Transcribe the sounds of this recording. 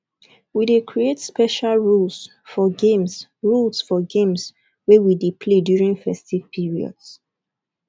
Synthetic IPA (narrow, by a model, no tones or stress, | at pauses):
widekʰɹietspɛʃalɹuls | fɔɡẽmsɹulsfɔɡẽms | wɛwidepʰledjuɹĩnfɛstiv̥pʰiɹiɔ̰ds